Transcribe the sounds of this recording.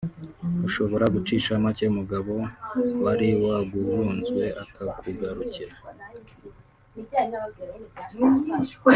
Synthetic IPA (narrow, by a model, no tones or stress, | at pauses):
uʃo̞βo̞ɾaɡut͡ʃiʃamat͡ʃeumuɡaβo̞waɾiwaɡuvuːnzɡwe̞ʔakʰakuɡaɾuciɾa